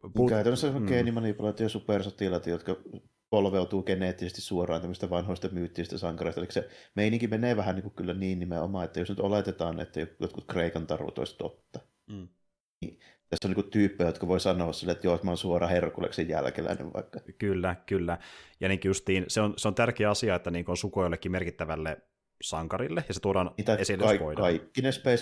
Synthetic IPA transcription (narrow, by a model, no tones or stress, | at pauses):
kæøt̪ænosemokeinimɑnipulɑːt̪ːijɑsupersot̪iˑlɑt̪jot̪kɑ | polʋeut̪uːkeneːt̪ːisest̪issuorˑɑːnt̪æmːst̪æʋɑnhoˑist̪ɑmyːt̪ːisest̪æsɑŋkɑreˑist̪ɑeikːæ̥semeiniŋkimeneːʋæhænniːŋkukylːæniːnnimeʔomɑet̪ːæjosnyt̪olet̪et̪ɑːn̰ḛt̪ːæjojo̰t̪kut̪kreikɑnt̪ɑrʋṵt̪o̰ist̪o̰t̪ːɑ | nḭ | t̪æsːeoniːkutt̪yːpːejæjot̪kɑʋoisɑnoːɑssilːeet̪joˑot̪mɑːnsuorɑherkːo̰lḛksejjæ̰lkelæ̰nḛʋʋɑ̰ˑikːɑkylːækylːæjɑniŋkjust̪iːnseonseont̪ærkeːɑsiɑet̪ːæniːŋkonsukojlːekːimerkit̪ːæʋælːe | sɑŋkɑrilːejɑset̪uoɾɑːnːt̪æesilːeɑkoidɑɑikːinespæis